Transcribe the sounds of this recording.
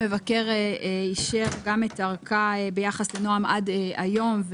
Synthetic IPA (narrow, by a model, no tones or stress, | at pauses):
evakeʁiʃeʁɡametaʁkabejaχaslenoamʔadʔa̰jo̞mv